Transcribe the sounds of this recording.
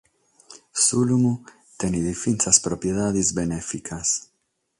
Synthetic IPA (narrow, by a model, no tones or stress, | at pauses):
sulumu | t̪eniðifinsaspɾopjeðaðizbenefikʰas